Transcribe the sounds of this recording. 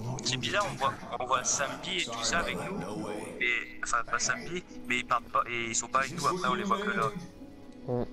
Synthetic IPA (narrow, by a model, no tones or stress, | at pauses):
sibizaʁɔ̃vwaɔ̃vwasɛ̃biet̪usaːvɛknumɛɑ̃fɛ̃pasɛ̃mbimɛilpaʁlpaʔeilsɔ̃paːvɛknuapχɛ̃ɔ̃levwakəlɔ̃